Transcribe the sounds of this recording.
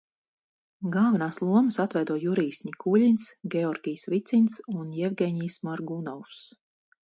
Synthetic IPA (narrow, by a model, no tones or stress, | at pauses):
ɡalˠvɛnaːslˠuɔməsat̪vɛjd̪uɔjuɾiːsnʲikulʲinsɡʲɛɔɾɡʲijsvit̪sinsunjɛvɡʲɛɲiːsmaɾɡunɔwfs